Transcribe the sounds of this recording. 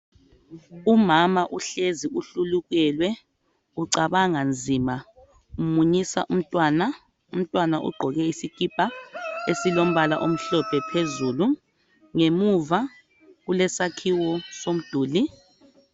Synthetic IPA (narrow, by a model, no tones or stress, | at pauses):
umamaʔuɬeziuɬuluɣ̬ɛlwɛ | uǀaβaŋand͡zʱima | umuɲisa̰ʔum̩tʼwana | um̩tʼwanaʔṵɡ͡ǃʱɔɣɛisikʼipʼaesilom̩βala̰ʔom̩ɬɔpʰʼɛpʰezulu | ŋemuva | ɣulɛsakʰiwɔsom̩d̥ʱuːli